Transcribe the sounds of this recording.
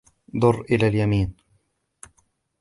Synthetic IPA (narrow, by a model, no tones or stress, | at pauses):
d̪ˤʊrːʔɪlaːljamiːn